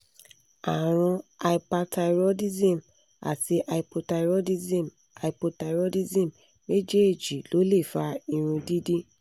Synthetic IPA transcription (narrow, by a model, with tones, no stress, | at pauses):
a˨ɾ̃ũ˧a˧i˧pa˧ta˧iɾo˦di˦zĩ˦˨m | a̰˨ti˧ʔa˧i˨˧po˧ta˧ɾo˦di˦zĩ˦˨m | a˨i˨po˧ta˧i˨ɾo˦di˦zĩ˦˨m | me˦d͡ʒe˦e˦˨d͡ʒi˨lo˨˦le˦˨fa˧i˧ɾ̃ũ˧di˦di˦